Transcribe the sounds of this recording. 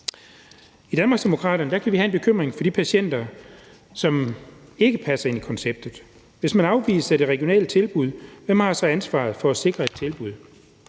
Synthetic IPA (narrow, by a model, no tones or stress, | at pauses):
id̥ænmɑ̈ɡ̥sd̥e̝mo̝kʰʁɑ̰̈ːɾɐnəd̥ækʰæʋiɦæe̝nb̥e̝kʰøm̰ʁeŋfɒ̽d̥ipʰæɕen̰d̥ɐ | sɒ̽me̝ɡ̥əpʰæsɐe̝nikʰɒ̽nseb̥̚d̥ð̩ˠ | ʋe̝smænɑ̈ʊʋḭːsæd̥e̝ʁɛɡ̥jo̝nɛ̰ːlət͡sʰe̝lb̥uð̞̰ˠʋemhɑ̈sɑɪænsʋɑ̰̈ːð̞̩ˠfɒ̽æse̝ɡ̥ʁɐe̝d̥̚t͡sʰe̝lb̥uð̞̰ˠ